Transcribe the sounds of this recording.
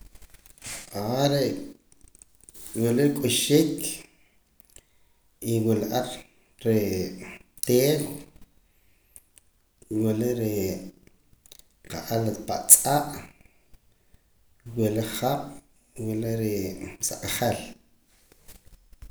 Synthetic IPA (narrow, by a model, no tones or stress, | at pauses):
aɾe | welekʼuʃikʰ | iwilaʔaɾ | ɾe | t̪eːw | weleʔɾi | qaʔalapaʔt͡sʼaʔ | weleχaɓ̥ | weleʔɾisaqʼχel